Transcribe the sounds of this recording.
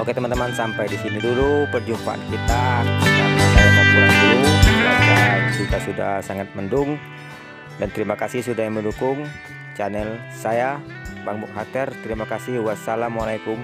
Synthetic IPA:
ʔoket̪əmant̪əmansampajdisinidulupərd͡ʒumpaʔa̰nkit̪asamisajamad͡ʒilanduluba̰kad͡ʒikasuda̰hsaŋat̪̚məndʊŋ | dant̪əɾimakasɪhsudahjaməndukʊŋ | t͡ʃanɛl | saja | baŋbʊŋɦat̪ɛrt̪əɾimakasɪhuwasalamualajkʊm

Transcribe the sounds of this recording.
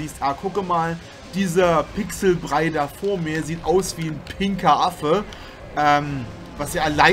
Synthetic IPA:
iːstʔaːkʰʊkəmaːl | d̥iːzɐpɪksl̩bʁaɪdafoːɐmiːɐziːtʔaʊsv̥iːnpʰɪŋkɐʔafə | ʔɛːm | vasjaːalaɪ

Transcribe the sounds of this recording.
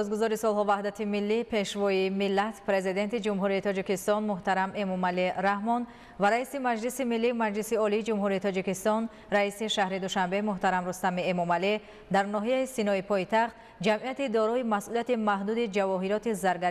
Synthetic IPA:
ɔsɡuzɔɾisɔlɦɔvahd̪at̪ʰimilːipʰe̞ʃvɔimilːat̪pɾe̞zid̪e̞nt̪id͡ʒumɦuɾiːt̪ʰɔd͡ʒikist̪ɔnmuht̪aɾame̞mɔmaliɾahmɔn | vaɾaisimad͡ʒlisimilːimad͡ʒlisiɔliːd͡ʒumɦuɾiːt̪ʰɔd͡ʒikist̪ɔn | ɾaisiʃahɾid̪uʃambe̞muht̪aɾamɾust̪amiemɔmali | d̪aɾnɔɦijaisinɔipʰɔjit̪ʰaχt̪ | d͡ʒamʔiat̪id̪ɔɾɔimasʔuliat̪imaɦd̪ud̪id͡ʒavɔɦiɾɔt̪izaɾɡa

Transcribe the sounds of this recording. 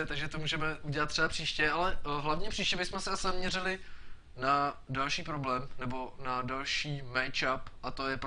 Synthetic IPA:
ɛt̪aɡʒɛt̪omuːʒɛmɛʔuɟɛlat̪̚ːrɛbapr̥iːʃcɛʔalɛɦlavɲɛpr̥iːʃcɛbɪsmɛsɛasɪzamɲɛrɪlɪ | nadalʃiːpɾoblɛːmnɛbo̞nadalʃiːmɛjt͡ʃapʔat̪ojɛp

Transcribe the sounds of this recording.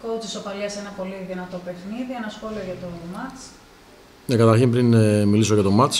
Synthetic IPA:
kot͡s̪isopɐleɐsenɐpo̞liðinɐt̪o̞pe̞xniðie̞nɐsxo̞lioʝɐt̪o̞mɐt͡s | nekɐt̪ɐɾçimpɾinmilisoʝɐt̪o̞mɐt͡s

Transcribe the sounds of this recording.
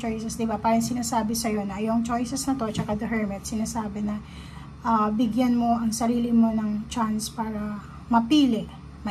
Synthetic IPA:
t͡ʃojsɛsd̪ɪbapaːɾɐŋsɪnaːsaːbɛsɐjo̞nɐʔɐjoŋt͡ʃo̞jsɛsnɐt̪o̞t͡ʃɐkad̪ɐɦɛɹmɛt̪̚sɪnaːsaːbɛnɐ | ʔɐbɪɡjanmo̞ʔɐŋsɐɾiːlɪmo̞nɐŋt͡ʃanspaːɾɐ | mɐpiːlɪʔ | mɐ

